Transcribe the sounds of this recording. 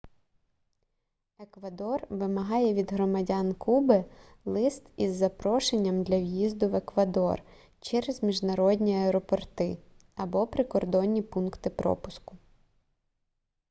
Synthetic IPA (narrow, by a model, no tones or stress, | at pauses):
ekʋɐd̪ɔrʋɪmɐɦɑjɛʋʲid̪ɦɾɔmɐdʲɑnkubɪ | lˠɪst̪izːɐpɾɔʃenʲːɐmd̪lʲɐwjizd̪ʊʋekʋɐd̪ɔ̰r | t͡ʃɛɾezmʲiʒnɐɾɔdʲnʲiɐɛɾɔpɔrt̪ɪ | ɐbɔpɾɪkɔrd̪ɔnʲːipunkt̪ɪpɾɔ̰pʊ̥skʊ̥